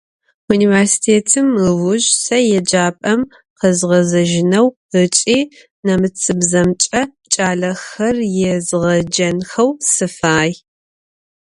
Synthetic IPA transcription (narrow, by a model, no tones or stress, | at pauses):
uniːversi̥tʰeːtʰɨmɨʁʊʒsɐjɛd͡ʒaːpʼɐm | qɐzʁɐzɐʒɪnɐw | ət͡ʃʼiː | nɐmɨt͡sʰʼɨbzɐmt͡ʃʼɐ | t͡ʃʼaːɮɐxɐrjɛzʁɐd͡ʒɐnxɐwsɨfaːj